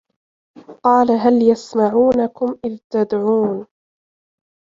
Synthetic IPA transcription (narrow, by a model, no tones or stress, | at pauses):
qɑːlaɦaljasmaʕuːnakʊmʔɪðt̪ad̪ʕuːn